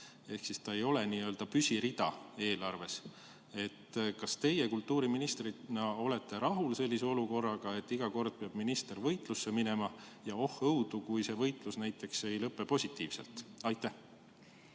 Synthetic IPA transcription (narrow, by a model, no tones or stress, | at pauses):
e̞hksist̪ɑe̞jo̞le̞niø̞ld̪̥ɑpysʲiɾid̪̥ɑ̰e̞ːlɑrve̞s | e̞t̪ːkɑst̪e̞je̞kult̪ːuːɾiminist̪rinɑo̞le̞t̪ːˑe̞ɾɑɦulse̞lʲːiseo̞luko̞rːɑɡ̥ɑe̞t̪ːiɡ̥ɑko̞rd̪̥̚peɑb̥minist̪ervɤjt̪ˑlusːe̞mine̞mɑjɑo̞hɤwd̪̥ukujse̞vɤjt̪ˑlusnæjt̪ːˑe̞kse̞jlɤpːe̞po̞sʲit̪ːˑiːvse̞̰lt̪ˑɑjt̪ːˑæh